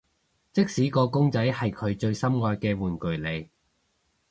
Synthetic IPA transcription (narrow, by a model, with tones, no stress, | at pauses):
t͡sɪ˥k̚siː˨˥kɔː˧kʊ˥ŋt͡sɐ˨˥jhɐ˨jkʰɵ˨˧ɥt͡ʃɵ˧ɥsɐ˥mŋɔː˧jkɛː˧wuː˨nkɵ˨˩ɥle˨˧j